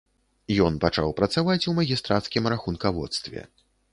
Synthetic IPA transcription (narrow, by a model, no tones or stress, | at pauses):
jɔnpat͡ʂa̰wpɾɐt̪savat͡sʲumɐɣʲist̪ɾat̪skʲimɾaxunkavɔ̰t̪st̪vʲɛ̰